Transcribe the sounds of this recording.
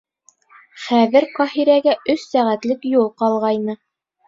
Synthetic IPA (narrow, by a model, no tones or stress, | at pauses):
χæðɘɾqɑhiɾæɡæʔɵsːæʁæt̪lɘkjulˠqɑlˠʁɑjnɤ